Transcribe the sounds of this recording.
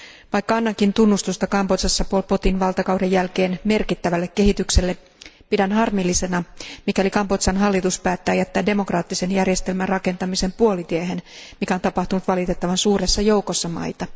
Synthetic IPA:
ʋɑjkːɑɑnːɑkint̪unːust̪ust̪ɑkɑmpot̪sɑsːɑpuolpo̞t̪inʋɑlt̪ɑkɑwdejjælke̞ːnme̞rkit̪ːæʋælːekːe̞ɦit̪ykse̞lːe | pidænɦɑrmilːise̞nɑmikælikɑmpo̞t̪sɑnɦɑlːit̪uspæːt̪ːæːjæt̪ːæːde̞mo̞krɑːt̪ːise̞njærje̞st̪e̞lmærɑke̞nt̪ɑmise̞mpuo̞lit̪ieɦe̞nmikæo̞nt̪ɑpɑht̪unut̪ʋɑlit̪e̞t̪ːɑʋɑnsuːɾe̞sːɑjo̞wkosːɑmɑ̰jt̪ɑ

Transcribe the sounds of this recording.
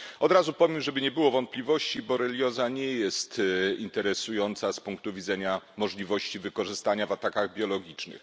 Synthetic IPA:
ɔd̪ɾazupɔvʲjɛmʐɛbɘɲɛbɘwɔvɔnt̪̚plʲivɔɕt͡ɕibɔɾɛlʲjɔzaɲɛjɛst̪int̪ɛɾɛsujɔnt̪saspuŋk̚t̪uvʲid̪zɛɲamɔʐlʲivɔɕt͡ɕivɘkɔʐɘst̪aɲavat̪akaɣbʲjɔlɔɡʲit͡ʂnɘ̰x

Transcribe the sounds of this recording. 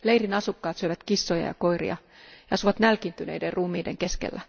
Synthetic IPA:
lejrinɑsukːɑːt̪syøʋæt̪kisːojɑ̰jɑ̰ko̞jrḭɑ̰ | jɑɑsuʋɑt̪nælkint̪ynḛjderruːmːˑiːdḛŋke̞skḛlːæ

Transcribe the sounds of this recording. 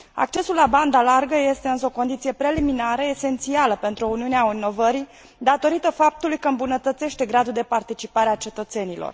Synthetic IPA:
a̰k̚t͡ʃe̞sulːaband̪alarɡəje̞st̪e̞ɨnsəo̞ko̞nd̪it̪sije̞pɾe̞liminaɾəese̞nt̪sialəpe̞nt̪ɾuuniuneainːo̞vəɾi | d̪at̪o̞ɾit̪əfap̚t̪ulujkəɨmbunət̪ət̪se̞ʃt̪e̞ɡɾad̪uld̪e̞part̪it͡ʃipaɾeat͡ʃe̞t̪ət̪se̞nilo̰r

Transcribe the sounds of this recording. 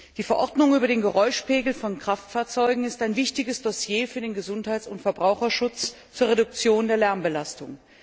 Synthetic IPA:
d̥iːfɛɐʔɔɐdnʊŋyːbɐɾeːnɡəʁɔʏʃpeːɡl̩fɔnkʁ̥aftfaːɐt͡sɔʏɡŋ̩ɪstaɪnvɪçtɪɡəsd̥ɔsjeːfyːɐdeːnɡəzʊnthaɪt͡sʊntfɛɐbʁaʊxɐʃʊt͡s | t͡suːɐʁedʊk̚t͡sjoːndeːɐlɛɐmbəlastʊŋ

